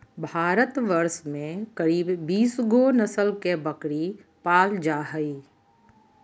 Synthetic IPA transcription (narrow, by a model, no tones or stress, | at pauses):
bʱaːɾət̪ʋəɾsmẽkəɾiːbːiːsɡonəsəlkebɐkɽi | paːld͡ʒaːɦəiː